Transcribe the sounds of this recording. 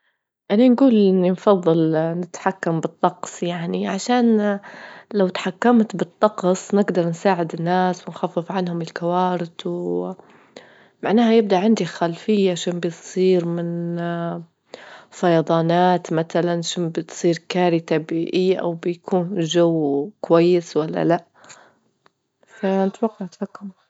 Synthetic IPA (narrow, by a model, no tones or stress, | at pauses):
ʔananɡuːlʔɪnːinfɑðˤːɨlnɪt̪ħakːambɨt̪ˤːɑqsˤjaʕniʕaʃaːn | lawt̪ḁħakːamt̪bɨt̪ˤːɑqsˤnɪɡd̪ɑɾˤnsaːʕɪd̪ɪnːaːswɪnxafːɪfʕanhʊmɪlkawaːɾɪt̪w | maʕnaːhajɪb̚d̪aʔʕɪnd̪ixalfɪjːaʕaʃaːnbjsˤiːɾmɪn | fɑjɑd̪ˤɑːnaːt̪mat̪alanʃɪnbɪt̪sˤiːɾkaːɾit̪abiːʔɪjːaʔa̰wbɪjakʰuːnʒawːkʊwajːɪswalːa̰laʔ | fanɪt̪wɑqːɑʕt̪fakːʊm